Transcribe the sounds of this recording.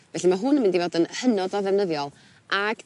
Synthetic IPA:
vɛɬimaɦʊnəmɪndivoːdənhənɔdɔðɛvnəðjɔlˠ | aɡ̥

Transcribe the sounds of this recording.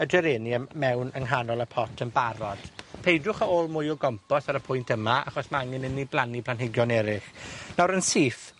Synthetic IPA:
ədɛɾɪniəmɛwnəŋɦanɔlˠəpʰɔtʰənbaɾɔd̥pʰejdrʊχaoːlˠmʊjɔɡɔmpɔsaɾəpʰʊjntʰəmaa̰χɔsmaaŋɪnəniblˠanipʰlanɦɪɡjɔnɛɾɪχnawɾənsiːθ

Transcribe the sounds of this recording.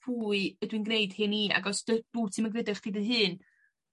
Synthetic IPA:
pʰuːɨədwinɡneɨd̥hɨnia̰ɡɔsd̥əd̥uːtʰɨməɡrɛdɛχd̥idɨɦɨːn

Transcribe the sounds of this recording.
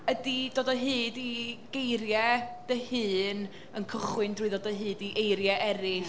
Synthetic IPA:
ədidoːdəɦɨːdiɡ̥ejɾjɛd̥əhɨːn | ənkʰəχwɨndruːɨðɔːdəɦɨːdiʔejɾjɛʔɛɾɪ

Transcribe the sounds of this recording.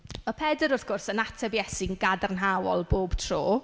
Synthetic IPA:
əpʰɛdəɾʊθɡ̥ʊrsənatʰɛvjɛsɪŋɡadarnɦawɔ̰lˠboːb̥tʰroː

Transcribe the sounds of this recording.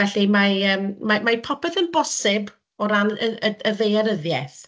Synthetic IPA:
vɛɬimaəːmmamapʰɔpɛθənbɔsɪb | ɔɾanəəəðejaɾəðjɛθ

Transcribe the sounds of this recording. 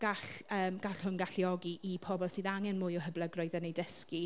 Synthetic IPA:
ɡ̥aɬəːmɡ̥aɬhʊnɡaɬiɔɡiʔipʰɔbɔsɨːðaŋɛnmʊjɔɦəblˠəɡrɔɨðənejdəski

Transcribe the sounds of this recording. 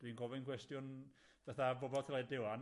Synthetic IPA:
d̥winɡɔvɛnkʰwɛstjʊnb̥ɛθabobɔlˠkʰilˠaɛdɪwan

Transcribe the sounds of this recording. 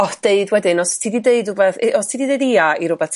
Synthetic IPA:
ɔd̥eɨdwɛdɪnɔstʰidideɨdʊbɛθʔɔstʰiːdideɨdiaiɾʊbɛ

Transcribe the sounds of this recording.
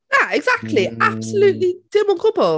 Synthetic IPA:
jaɪɡzak̚tʰˡliab̥səljʉːˑʔlid̥ɪmə̃nkʰʊpəlˠ

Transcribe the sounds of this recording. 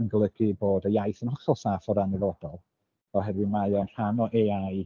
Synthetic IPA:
ənɡəlˠəɡiboːdəjajθənhɦɔχɛlˠsaːfɔɾanilˠoːdɔlˠ | ɔɦɛdwɨmajɔnr̥anɔʔeaj

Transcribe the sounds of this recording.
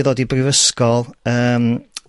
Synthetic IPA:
ðoːdibrɪvəskɔlˠəːm

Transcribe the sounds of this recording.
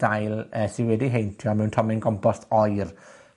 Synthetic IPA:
d̥ajlˠəsɪwɛdiɦejntʰjɔmɛwntʰɔmɪnɡɔmpʰɔstʰɔjr

